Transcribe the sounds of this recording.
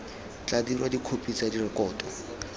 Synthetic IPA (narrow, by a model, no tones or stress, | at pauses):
t͡ɬʼadirwadikʰopʼit͡sadirɪkʼɔːtʼɔ